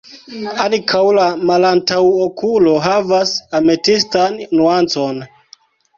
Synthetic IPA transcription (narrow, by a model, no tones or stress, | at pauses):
ankʰawlamalantawokʰulo̞ɦavasametistanːuant͡so̞n